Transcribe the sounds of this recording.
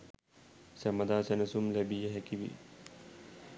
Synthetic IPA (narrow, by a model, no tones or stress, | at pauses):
sæmɐd̪aːsenɐsumlæbijəɦækiʋḭ